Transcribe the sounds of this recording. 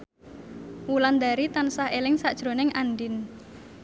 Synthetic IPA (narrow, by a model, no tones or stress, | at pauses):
wuland̪aɾit̪ansaɦelɪŋsad̥ʒ̥ɾo̤nɪŋʔanɖɪn